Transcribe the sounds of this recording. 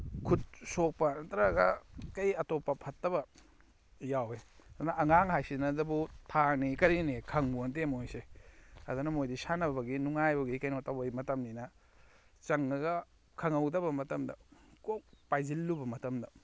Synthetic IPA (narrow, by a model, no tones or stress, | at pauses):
kʰut̚sok̚pɐnɐtɐɾaɡɐkɐjɐtopːɐpʰɐtːɐbɐ | jaweɐd̪unɐʔɐŋaŋɦajsinɐzɐbutʰanikɐɾinikʰɐŋbunt̬emojseɐdunɐmojdisanɐbɐɡinuŋajbɐɡikɐjnotɐwbɐjmɐtɐmninɐ | t͡ʃɐŋɐɡɐ | kʰɐŋɐwdɐbɐmɐtɐmdɐ̰kok̚pajzilːubɐmɐtɐmdɐ